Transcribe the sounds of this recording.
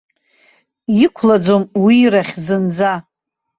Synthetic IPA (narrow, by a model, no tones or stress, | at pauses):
jikʷʰlad͡zomwiɾaχʲzɨnd͡za